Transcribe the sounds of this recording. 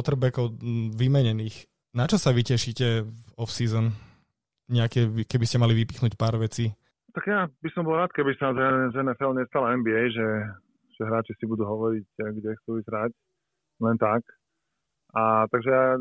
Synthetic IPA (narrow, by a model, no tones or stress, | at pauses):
ɔt̪r̩bɛkɔʊʋimɛɲɛniːx | nat͡ʃɔsaʋicɛʃiːcɛɔfsiːzɔn | ɲɛakɛʋikɛbiscɛmaliʋipi̥xnuːcpaːɾʋɛt͡siː | t̪aɡjabisɔmbɔlˠɾaːt̪̚kɛbisanazaɛzɛnɛfɛlmɲɛst̪alaɛnbiɛjʒɛ | ʒ̥ɛɦɾaːt͡ʃisibud̪uːɦɔʋɔɾicɡɟɛxt͡suːizɾac | lɛnt̪ak | ʔat̪aɡʒɛja